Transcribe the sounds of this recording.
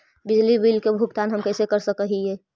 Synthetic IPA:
bɪd͡ʒlibilkebʱʊɡt̪aːnɦəmkəɪsekəɾsəkəɦiɦɛː

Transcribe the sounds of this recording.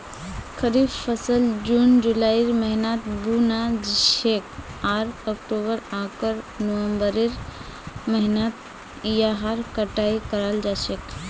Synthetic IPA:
kʰəɾibpʰəsəld͡ʒund͡ʒulaiɾməɦinat̪bunad͡ʒʃekaɾəkʈobəɾãkəɾnəwəmbəɾeɾ | məɦinət̪̚ | jaɦaɾkəʈaikəɾəld͡ʒasek

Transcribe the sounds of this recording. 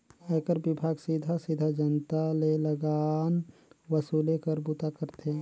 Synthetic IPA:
əkəɾbɪbʱaːɡsid̪ʱasid̪ʱad͡ʒənt̪aleləɡaːnʋəsuːlekəɾbut̪akəɾt̪eɛ̃

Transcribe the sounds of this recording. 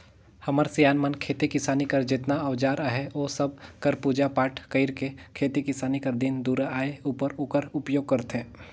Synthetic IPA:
hɐməɾsijaːnmənkʰeːt̪ikɪsaːnikɐɾd͡ʒɪt̪naəʋd͡ʒaːɾaːɦeoːsɐb̚kɐɾpuːd͡ʒapaːʈʰkəɪɾkekʰeːt̪ikɪsaːnikəɾd̪ɪnd̪uːɾaːeuːpəɾukəɾʊpjoːɡ̚kɐɾt̪ɦẽː

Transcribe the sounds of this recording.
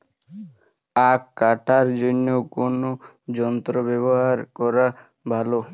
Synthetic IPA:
akːaʈaɾd͡ʑonːewkono | d͡ʑɔnt̪ɾobɛβoɦaɾkɔɾa | bʱalo

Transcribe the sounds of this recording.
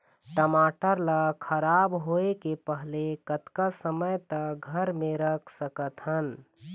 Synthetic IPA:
ʈəmaːʈəɾləkʰəɾaːbɦoekepəɦlekət̪kasəməjt̪əɡʱəɾmẽɾəkʰsəkət̪ɦən

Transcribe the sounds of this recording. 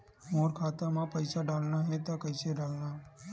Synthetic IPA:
moːɾkʰaːt̪ãmãpəɪsaɖaːlnaɦɛt̪akəɪseɖaːlna

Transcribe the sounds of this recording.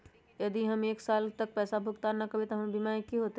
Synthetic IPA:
jɐd̪iɦɐmeːksaːlt̪ɐk̚pɛːsabʱʊɡt̪anɐkɐbʱit̪ɐɦɐmbimaːikːiɦoːt̪e

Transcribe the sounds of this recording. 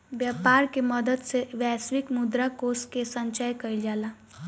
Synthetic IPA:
bjapaɾkeməd̪əd̪seʋɛsʋikmud̪ɾakoskesənt͡ʃəjkəild͡ʒala

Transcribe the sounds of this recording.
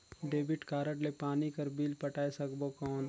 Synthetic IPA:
ɖeːbɪʈkaːɾəʈlepaːnikɐɾbiːlpəʈaːesɐkbokɔːn

